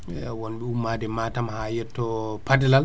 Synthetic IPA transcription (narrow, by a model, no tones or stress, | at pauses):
wɔnɓɛumːaːdɛmaːtamhajɛtːɔpadɛlal